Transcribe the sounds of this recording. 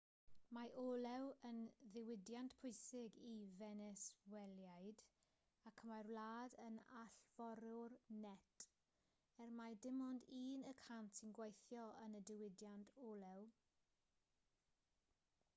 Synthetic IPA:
maʔoːlɛwənðɪwɪdjantpʰʊɨsɪɡivɛnɛswɛljajd | akʰəmarwlaːdənaɬv̥ɔɾʊrnɛtʰ | ɛrmajdɪmɔndiːnəkʰantʰinɡwejθjɔənədɪwɪdjantʰoːlˠɛw

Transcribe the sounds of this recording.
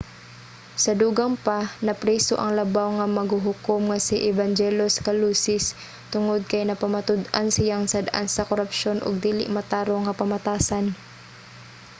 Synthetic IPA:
sɐd̪uːɡaŋpanɐpɾɛːso̰ʔɐŋlɐbawŋɐmɐɡhuɦʊkomŋɐsɪʔɛband͡ʒɛloskɐluːsɪs | t̪ʊŋod̪̚kɐjnɐpɐmɐt̪ʊd̪ansɪjaŋsad̪ʔa̰nsɐkoɾapʃo̞nʔʊ̰ɡ̚d̪iːlɪ̰ʔmɐt̪aːɾoŋɐpɐmɐt̪aːsan

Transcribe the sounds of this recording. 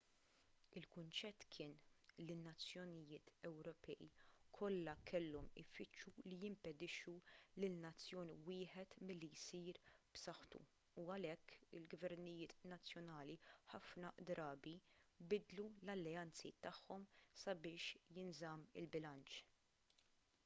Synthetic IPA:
ɪlkʊnt͡ʃɛt̪ːkʰɪːnlinːɐt͡sːjɔnɪjɪːt̪ɛwɾɔpʰɛːḭkʰɔlːɐkʰɛlːɔmɪ̰fɪt͡ʃːulijɪmpɛd̪ɪʃulɪlnɐt͡sːjɔːniwɪːħɛt̪mɪlːijsiːɾb̥sɐħt̪ṵ | uɐlɛkːɪlɡvɛɾnɪjɪːt̪nɐt͡sːjɔnɐːliħɐfnɐd̪ɾɐːbibɪd̪lulɐlːɛɐnt͡sit̪ɐħːɔmsɐbɪːʃjɪnzɐmɪ̰lbɪlɐnt͡ʃ

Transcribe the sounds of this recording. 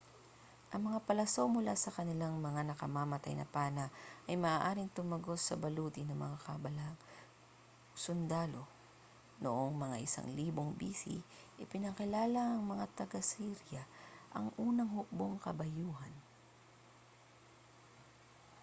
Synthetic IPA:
ʔɐŋmɐŋapɐlɐsowmʊlasɐkɐnɪlaŋmɐŋanɐkɐmamɐt̪a̰jnɐ̰paːnɐʔɐjmɐʔaːʔaːɾɪŋt̪ʊmɐɡo̞t̪sɐbɐluːt̪ɪnɐŋmɐŋakɐbɐlaŋ | sʊnd̪aːlo̞ | noʔoŋmɐŋa̰ʔɪsa̰ŋliːboŋbiːsḭ | ʔɪpɪnɐkɪlaːlɐʔɐŋmɐŋat̪ɐɡasiɾjɐʔɐŋʔuːnɐŋhʊk̚boŋkɐbɐjuːɦɐn

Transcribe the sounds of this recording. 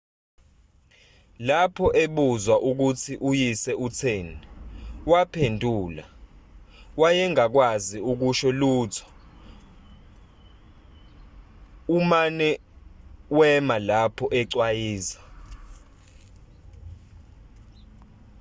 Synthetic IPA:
lapʰɔʔeɓuzwaʔuk̬ut͡sʰiʔujisɛut͡sʰeːniwapʰendʱuːla | wajɛŋak̬waziuk̬uʃɔluːtʰɔ̥ | umanɛ | wɛmalapʰɔʔɛǀwajiːzḁ

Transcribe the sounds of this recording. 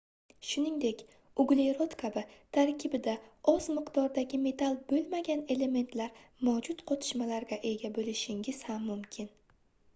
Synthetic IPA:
ʃʊnɪŋd̪e̞kʲ | ʊɡlˠejɾot̪kʰabɪt̪ʰaɾkʲʰɪbɪd̪aɒzmɨqd̪ɒɾd̪aɡʲɪme̞t̪ʰalˠbolˠmaɡʲane̞le̞me̞nt̪ʰlaɾmawd͡ʒʊt̪qʰɒt̪ʰɪ̥ʃmalaɾɡʲaʔe̞ɡʲabolɪʃɪŋʲɪz̥hamːʊmkʲʰɪn

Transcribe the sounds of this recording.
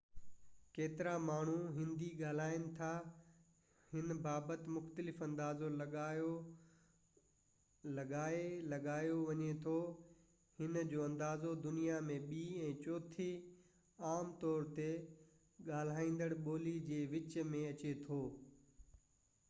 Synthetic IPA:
keːt̪ɪɾamaːɳ̤uɦɪ̃nd̪iɠaːl̤aːɪnɪ̆t̪ʰa | hɪnbaːbət̪ɪmʊxt̪əlɪfɐ̃nd̪aːzoo | lɐɠaːelɐɠaːjoʋɐɲet̪ʰoː | hɪnd͡ʑoːɐ̃nd̪aːzod̪ʊnijamẽɓiːɛ̃ːt͡ɕɔːt̪ʰi | aːmt̪ɔːɾt̪e | ɠaːl̤aːĩːn̆d̪əɽɓoːlid͡ʑeːʋɪt͡ɕmẽɐt͡ɕet̪ʰoː

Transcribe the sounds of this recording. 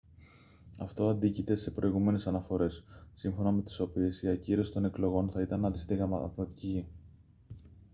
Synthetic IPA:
ɐft̪o̞ɐnd̪icit̪e̞se̞pɾo̞iɣume̞ne̞sɐnɐfo̞ɾe̞sːiɱfo̞nɐme̞t̪i̥so̞pie̞siɐciɾost̪o̞ne̞klo̞ɣo̞nθɐit̪ɐnɐnd̪ist̪iɣɐθot̪ici

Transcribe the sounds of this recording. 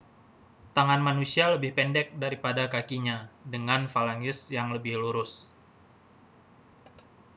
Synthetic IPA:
t̪aŋanmanusialəbɪhpɛndɛk̚daɾipadakakiɲadəŋanfalaŋɪsjaŋləbɪhluɾʊs

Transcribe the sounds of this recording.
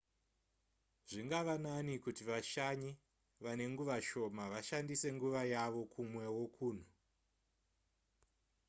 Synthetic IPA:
ʐ̥iŋɡaʋananikutiʋaʃaɲi | ʋane̞ŋɡuʋaʃo̞maʋaʃandise̞ŋɡuʋajaʋo̞kʰumwe̞wo̞kʰuːn̤u

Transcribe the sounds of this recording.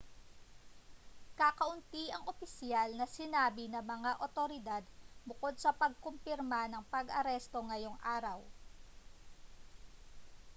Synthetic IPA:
kakɐʔʊnt̪iʔɐŋʔopɪsjalnɐsɪnaːbɪnɐmɐŋaʔot̪oɾɪd̪ad̪̚bʊko̞d̪̚sɐpɐɡ̚kompɪɾmanɐŋpɐɡʔɐɾɛst̪o̞ŋɐjo̞ŋʔaːɾɐw

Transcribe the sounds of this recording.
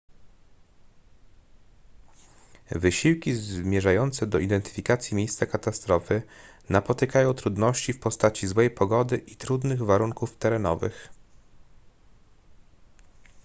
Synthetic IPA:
vɘɕiwkʲizmʲjɛʐajɔnt̪sɛd̪ɔʔid̪ɛnt̪ɘ̥fʲikat̪sʲjimʲjejst̪sakat̪ast̪ɾɔfɘ | napɔt̪ɘkajɔ̃w̃t̪ɾud̪nɔɕt͡ɕifpɔst̪at͡ɕizwɛjpɔɡɔd̪ɘʔit̪ɾud̪nɘɣvaɾuŋkuft̪ɛɾɛnɔ̰vɘ̰x

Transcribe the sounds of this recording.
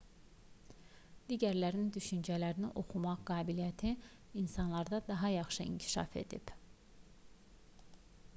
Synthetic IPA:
d̪̥iɟæɾlæɾind̪yʃynd͡ʒælæɾiniʔo̞χumɑʁɡɑːbilijæt̪ʰi | insɑnlˠɑɾd̪ɑd̪ɑɦɑjɑχʃɯḭɲcʰi̥ʃɑ̰fe̞̰d̪ḭb̥

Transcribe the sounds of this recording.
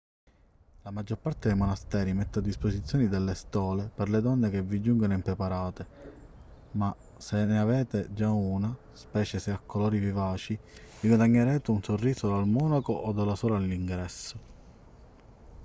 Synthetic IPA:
lamad͡ʒːoɾpart̪ed̪ejmonast̪ɛːɾimɛt̪ːad̪ːisposit̪sjɔːnid̪elːest̪ɔːleperled̪ɔnːek̟evːid͡ʒuŋɡonoimpɾepaɾaːt̪e | ma | senːeavɛːt̪ed͡ʒauːna | spɛːt͡ʃeseakʰːolɔːɾivivaːt͡ʃiviɡwad̪aɲːeɾɛːt̪eunsorːiːsod̪almɔːnakoʔod̪alːasɔːɾalːiŋɡɾɛsːo

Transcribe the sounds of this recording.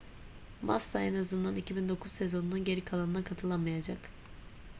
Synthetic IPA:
masːaenazɯnd̪anicʰibind̪o̞kʰuzse̞zo̞nununɟe̞ɾikʰalˠanɯnakʰat̪ʰɯlˠanmajad͡ʒak

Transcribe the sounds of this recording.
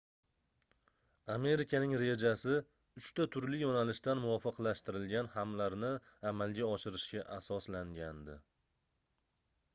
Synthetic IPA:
ame̞ɾɪkʲʰanɪŋɾe̞d͡ʒasɪ | ʊʃt̪at̪ʰʊɾlɪjonalɪʃt̪anmʊvɒfɨqlaʃt̪ɪɾɪlɡʲanhamlaɾnɪamalˠɡʲaɒʃɪɾɪʃkʲaʔasɒslaŋɡʲand̪ɪ̰

